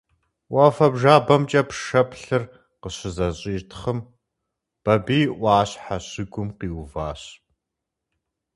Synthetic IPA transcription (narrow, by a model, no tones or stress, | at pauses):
ʔɐfɐbʒaːbɐmt͡ʃʼɐpʂɐpʰɬɨr | qəɕɪzɐɕʼiːtʰχəm | b̥ɐbiːʔʷɑːɕħaɕɪɡʷʊmqiːwvaːɕ